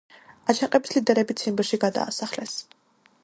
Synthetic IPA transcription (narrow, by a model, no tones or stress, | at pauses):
at͡ʃʰaqʼɛbislid̪ɛɾɛbit̪sʰimbɾʃiɡad̪a̰ːsaχlɛs